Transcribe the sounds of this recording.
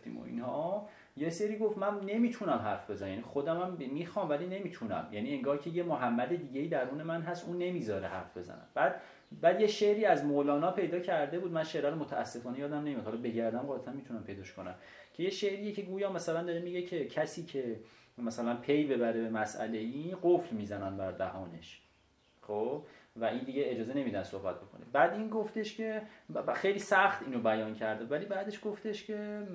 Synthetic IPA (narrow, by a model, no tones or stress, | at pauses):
ft̪ḭːmo̰ḭnhɒ | jese̞ɾiːɡo̞ft̪mænne̞miːt̪ʰunæmɦæɾfbe̞zænæmjænixo̞d̪æmæmmiːxɒːmvæline̞miːt̪ʰunæ̰mjænieŋɡɒːhcʰejemoɦæmːæd̪e̞d̪iːɟeiːd̪æɾuːne̞mænɦæsʔuːnːe̞miːzɒːɾeɦæ̰ɾfbe̞zæ̰næ̰mb̥æːd̪̥ | bæːd̪je̞ʃe̞ʔɾiːæzmolɒːnɒːpʰe̞jd̪ɒːcʰæɾd̪e̞buːd̪mænʃeʔɾæɾomot̪ʰæʔæsːe̞fɒːnejɒːd̪æmnemimæd̪hɒlbe̞ɟæɾd̪æmʁɒːlæt̪ʰænmit̪ʰunæmpʰe̞jd̪ɒːʃkonæ̰m | cʰe̞jeʃeʔɾiːjecʰe̞ɡuːjɒːmæsælænd̪ɒːɾemiɟe̞cʰe̞cʰæsiːcʰe̞mæsælænpʰe̞jbe̞bæɾebemæsʔæ̰le̞iɢoflmiːzænænbæɾd̪æhɒːne̞ʃ | χobvæʔind̪iːɟeed͡ʒɒːzene̞miːd̪ænsohbæt̪̚bo̞kʰonebæːd̪iːnɡoft̪e̞ʃcʰe̞xejliːsæxt̪iːnobæjɒːncʰæɾd̪evæliːbæːd̪e̞ʃɡ̥oft̪eʃcʰe̞